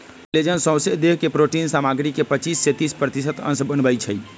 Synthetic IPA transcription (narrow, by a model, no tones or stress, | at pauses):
led͡ʒənsə̃w̃sed̪eɦkepɾoʈinsamaɡɾikːepət͡ʃisːet̪ispɾət̪isət̪ə̰nsbənbəjt͡ʃʰəj